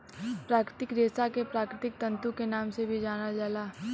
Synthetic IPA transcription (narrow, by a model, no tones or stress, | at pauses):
pɾaːkɾɪt̪ɪkd̪eːsakepɾaːkɾɪt̪ɪk̚t̪ɐ̃nt̪ukenaːmsebʱid͡ʒaːnad͡ʒaːlaː